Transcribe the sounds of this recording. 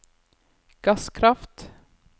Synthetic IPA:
ɡ̥askʰɾaft̪

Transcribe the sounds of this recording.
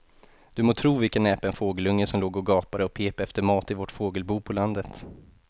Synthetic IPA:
d̪̥ɵmoːt̪ʰɾuːvɪlkənɛːpaɛnfoːɡəlɵŋːəsɔmloːɡɔɡɑːpaɾəɔpʰeːpɛft̪əɾmɑːt̪ɪvɔʈfoːɡəlbuːpʰɔland̪ət̪

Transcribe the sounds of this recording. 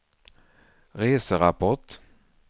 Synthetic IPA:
ɾeːsəɾapʰɔʈ

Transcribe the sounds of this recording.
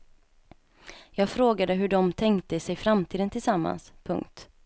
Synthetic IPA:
jɑːɡfɾoːɡad̪əɦɵɖɔmt̪ʰɛŋkt̪əsɛjfɾamt̪ʰiːd̪ənt̪ʰɪlsamːa̰nspʰɵ̰ŋkt̪

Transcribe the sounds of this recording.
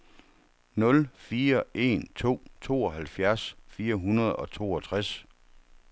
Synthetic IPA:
nɔ̽lfiːɐe̝̰nt͡sʰo̝̰ːt͡sʰo̝̰ːɒ̽ɦælfjæɐsfiːɐɦunɐð̞̩ˠɒ̽t͡sʰo̝̰ːɒt͡sʰʁas

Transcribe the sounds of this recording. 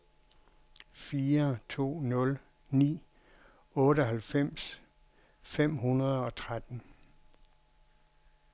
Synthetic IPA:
fiːɐt͡sʰo̝̰ːnɔ̽l | nḭː | ɔ̽ːɾəɒɦælfem̰s | fem̰ɦunɐð̞ˠɒ̽t͡sʰʁad̥n̩

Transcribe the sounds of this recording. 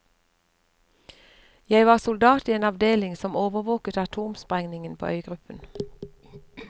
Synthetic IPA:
jæɪʋɑːʁsʊld̪ɑːt̪iːeːnɑʋd̪eːlɪŋsɔmoːʋəʁʋoːkət̪ɑt̪ʰuːmspʁɛŋnɪŋənpʰo̰ːʔœʏɡʁʉpən

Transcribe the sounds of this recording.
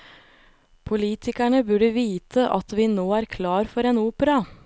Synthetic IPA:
pʰʊliːt̪ʰɪkæɳəbʉɖəʋiːt̪ʰəʔɑt̪ʋiːnoːæːɾkʰlɑːɾfɔɾeːnuːpəɾɑ

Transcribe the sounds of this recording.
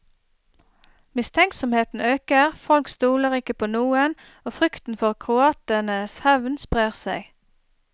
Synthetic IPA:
mɪst̪ʰɛŋksɔmheːt̪n̩øːkəʁfɔlkst̪uːləʁɪkəpʰoːnuːən | oːfʁʏkt̪n̩fɔʁkʰʁʊɑːt̪ənəshɛʋnspʁeːʁsæɪ

